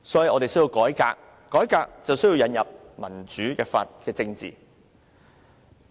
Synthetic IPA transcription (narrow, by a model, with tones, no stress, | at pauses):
sɔː˨˥ji˨ʔɔː˧te˨jsɵ˥ji˧wkɔː˨˥jka̰ː˧k̚ | kːɔː˨˥jkaː˧k̚t͡sɐ˨wsɵ˥ji˧wjɐ˨˧njɐ˨p̚mɐ˨˩nt͡ʃyː˨˥kɛː˧fa̰ː˧t̚kɛː˧t͡sɪ˧ŋt͡sḭː˨˩